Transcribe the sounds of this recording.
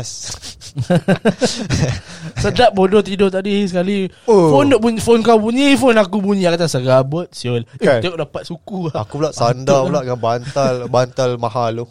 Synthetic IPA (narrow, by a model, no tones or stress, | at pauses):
s | sədaʔ̚bodɔt̪idɔt̪adisəkalifondɔʔbufonkawbuɲifonakubuɲiakat̪asəɡabət̪̚sioleoʔdapat̪̚sukuaakubulaʔsandabulaʔŋabant̪albant̪almaɦalu